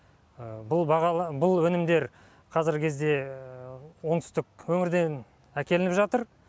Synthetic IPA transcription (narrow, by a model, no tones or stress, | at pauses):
əbʊlˠbɑʁɑbʊlˠwɵnɪmd̪e̞ɾ | qʰɑzɪɾɡkʲʰe̞zd̪e̞ | wo̞ŋt̪ʰʏ̥st̪ɪkwɵŋɪɾd̪e̞n | ækʲe̞lɪnɪpʒɑt̪əɾ